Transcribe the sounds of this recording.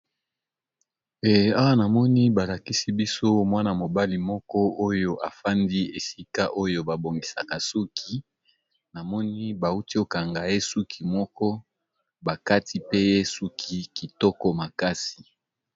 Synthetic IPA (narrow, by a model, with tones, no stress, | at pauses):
e˨a˦wa˦na˨mɔ˦ni˦ba˨la˨ki˦si˦bi˦so˦mwa˦na˨mo˨ba˦li˨mɔ˦kɔ˦ʔo˦jo˦ʔa˨fa˦ndi˦e˨si˦ka˦ʔo˦jo˦ba˨bo˨ŋɡi˨sa˨ka˨su˦kʰi˨ | na˨mɔ˦ni˦ba˨u˦ti˦o˨ka˨ŋɡa˨je˦su˦kʰi˨mɔ˦kɔ˦ | ba˨ka˦ti˦pe˦je˦su˦kʰi˦ki˨tɔ˦kɔ˦ma˨ka˦si˨